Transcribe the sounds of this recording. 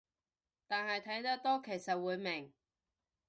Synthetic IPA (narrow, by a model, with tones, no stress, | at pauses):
t̪aː˨nhɐ˨jt̪ʰɐ˨˥jt̪ɐ˥k̚t̪ɔː˥kʰe˨˩jsɐ˨t̚wuː˨˧jmɪ˨˩ŋ